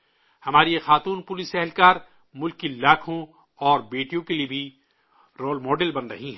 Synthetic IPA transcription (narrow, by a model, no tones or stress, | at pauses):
hɐmaːɾijexaːt̪uːnpʊlɪsɛɦlkaːɾ | mʊlkːilaːkʰõ | ɔːɾbeːʈijõkeliebʱi | ɾoːlmɔːɖelbɐnɾɐ̰ɦiɦɛː